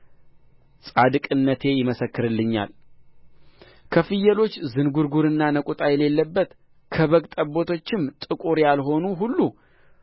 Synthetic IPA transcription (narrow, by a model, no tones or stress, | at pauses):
sʼad̪ɨkʼɨnːət̪ʰe̞jɪməsəkːɨɾɨlːɨɲːa̰l | kʰəfɨjːɛlo̞t͡ʃːzɨnɡuɾɡuɾɨnːanəkʷʼut̪ʼajɛle̞lːəbːət̪ | kʰəβəɡt̪ʼəbo̞t̪ʰo̞t͡ʃːɪmt̪ʼɨkʼuɾjalɦo̞nuɦulːu